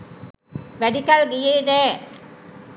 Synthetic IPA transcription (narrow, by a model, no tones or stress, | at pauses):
ʋæɖikɐlɡijeːnɛː